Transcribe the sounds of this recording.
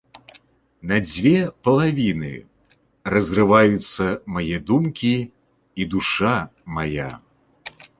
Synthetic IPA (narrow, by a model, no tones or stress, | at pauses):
nɐd͡zʲvʲɛpɐlˠavʲinɨ̰ | rɐzʲrɨvajut̪sːɐmajɛd̪umkʲi | id̪uʂamaja̰